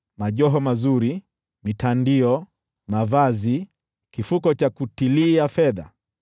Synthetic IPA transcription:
maʄɔɦɔmazuɾi | mitandiɔ | mavazi | kifukɔt͡ʃakutiliafɛða̰

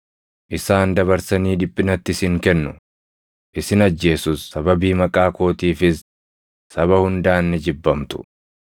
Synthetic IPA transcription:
ʔɪsaːnd̪ɐβɐɾsɐniːᶑɪpʼːɪnɐt̪ːɪsɪŋkɛnːʊ | ʔɪsɪnɐd͡ʒːe̞ːsʊsːɐbɐbiːmɐkʼaːko̞ːt̪iːfɪs | sɐβɐhʊnd̪aːnːɪd͡ʒɪbːɐmt̪ʊ̥

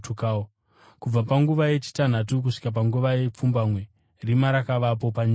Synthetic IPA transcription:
tukao | kub͡vapaŋɡuʋaje̞t͡ʃi̥tan̤at̬uk̬uʂi̥kap̬aŋɡuʋaje̞p͡fumbamwe̞ | rimaɾakaʋapo̞paɲi

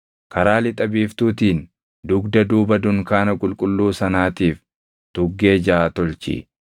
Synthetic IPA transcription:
kɐɾaːlɪt̪ʼɐbiːft̪uːt̪iːn | d̪ʊɡd̪ɐd̪uːbɐd̪ʊŋkaːnɐkʼʊlkʼʊlːuːsɐnaːt̪iːf | t̪ʊɡːe̞ːd͡ʒaat̪ɔlt͡ʃḭ

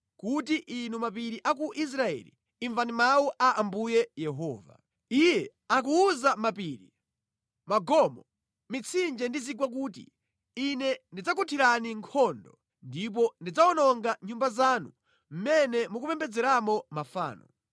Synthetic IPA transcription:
kutiʔinumap̬iɾiʔak̬uʔis̬ɾaɛ̰lḭ | iɱvanimawuʔaʔambujɛjɛɦɔːva̰ | ijɛ | ak̬uːzamapiːɾi | maɡɔmɔ | mit͡sʰind͡ʒɛndiziɡwak̬uːt̬ḭ | inɛndid͡zakutʰiɾaniŋkʰɔndɔ | ndip̬ɔndid͡zaɔnɔŋɡaɲumbazanṵ | m̩mɛnɛmukupɛmbɛd͡zɛɾamɔmafa̰ːnɔ̰

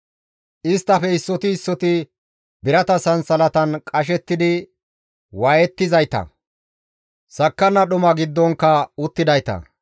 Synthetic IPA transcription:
ʔɪst̪ːɐfɛɪsːɔt̪ɪɪsːɔt̪ɪ | bɪɾɐt̪ɐsɐnsɐlɐt̪ɐnkʼɐʃ̬ɛt̪ːɪd̪ɪ | waːjɛt̪ːɪzɐjt̪ɐ̰ | sɐkːɐnːɐɗʊmɐɡɪd̪ːɔŋkːɐʊt̪ːɪd̪ɐjt̪ɐ̰

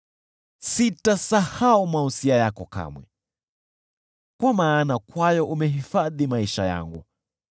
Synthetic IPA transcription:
sitasahaumausiajakɔka̰mwɛ̰ | kwamaːnakwajɔʔumɛɦifaðimaiʃa̰ja̰ŋɡṵ

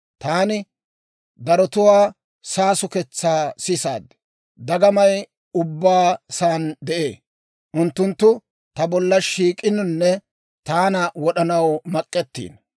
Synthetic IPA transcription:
t̪aːnɪ | d̪ɐɾɔt̪ʊwaː | saːsʊkɛt͡sːaːsɪsa̰ːd̪ | d̪ɐɡɐmɐj | ʊbːaːsaːnd̪ɛʔḛː | ʔʊnt̪ːʊnt̪ːʊ | t̪ɐbɔlːɐʃiːkʼɪnʊnːɛ | t̪aːnɐwɔɗɐnɐwmɐkʼːɛt̪ːḭːn

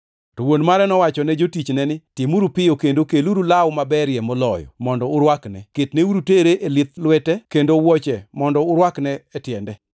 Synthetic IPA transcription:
towonmaɾɛnɔwat͡ʃɔnɛd͡ʒotit͡ʃnɛnɪtɪmuɾupɪjokendokeluɾulawmabɛɾjɛmɔlɔjɔ̰mɔndɔʊɾwaknɛ̰kɪtneuɾuteɾeʔelɪt̪lwɛtɛkendowɔt͡ʃɛmɔndɔʊɾwaknɛːtjɛndɛ

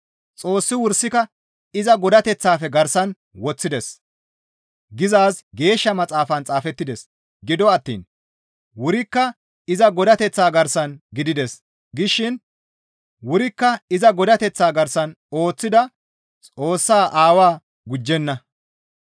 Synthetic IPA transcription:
t͡sʼo̞ːsːɪwʊɾsɪkɐ | ɪzɐɡɔd̪ɐt̪ɛt͡sːaːfɛɡɐɾsɐn | wɔt͡sːɪd̪ɛs | ɡɪzaːsɡe̞ːʃːɐmɐt͡sʼaːfɐnt͡sʼaːfɛt̪ːɪd̪ɛs | ɡɪd̪ɔɐt̪ːḭːn | wʊɾɪkːɐ | ɪzɐɡɔd̪ɐt̪ɛt͡sːaːɡɐɾsɐnɡɪd̪ɪd̪ɛs | ɡɪʃːɪn | wʊɾɪkːɐɪzɐɡɔd̪ɐt̪ɛt͡sːaːɡɐɾsɐn | o̞ːt͡sːɪd̪ɐ | t͡sʼo̞ːsːaːʔaːwaː | ɡʊd͡ʒːɛnːɐ

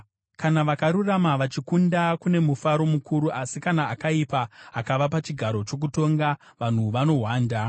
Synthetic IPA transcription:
kanaʋakaɾuramaʋat͡ʃikundakune̞mufaɾo̞mukuɾuʔasikanaːkaipaːkaʋapat͡ʃiɡʱaɾo̞t͡ʃo̞k̬uto̞ŋɡa | ʋan̤uʋano̞ɦwaːnda

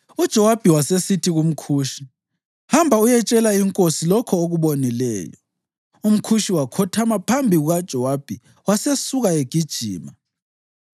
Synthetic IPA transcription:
ud̥ʒ̥ʱɔwab̥ʱiwasesitʰiɣum̩kʰuːʃi | hambʱaujɛt͡ʃʼɛlaiŋkʼosilɔkʰɔoɣuβonilɛ̰ːjɔ̰ | um̩kʰuʃiwakʰɔtʰamapʰambʱiɣuɣad̥ʒ̥ʱɔwab̥ʱi | wasesuɣaeɡ̥ʱid̥ʒ̥ʱḭːma

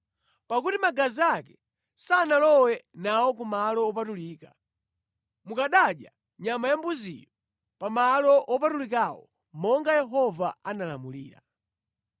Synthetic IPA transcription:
pakutimaɡaziakɛ | sanalɔwɛnawɔkumalɔɔpatuliːka | mukaɗaɗja̰ | ɲamajambuzḭjɔ | pamalɔʔɔpatulikawɔ̰ | mɔŋɡajɛɦɔvaanala̰mulḭːɾa̰

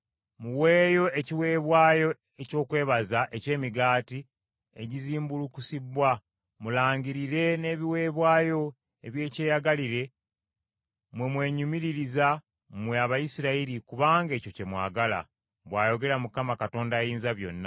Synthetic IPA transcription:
muwe̞ːjo̞e̞ciwe̞ːβwaːjo̞ | eco̞ːkwe̞ːβazaʔece̞ːmiɡaːti | ḛɟiziːmbulukusibwa | mulaːɲɟiɾiɾe̞ne̞βiwe̞ːβwaːjo̞ | e̞βje̞ːce̞ːjaɡaliɾe̞ | mwe̞mwe̞ːɲumiɾiɾiza | mweaβajisiɾaiɾikuβaːŋɡe̞ːcoce̞mwa̰ːɡala̰ | βwaːjo̞ɡe̞ɾamukamakato̞ːndajiːnzaβjo̞̰nːa

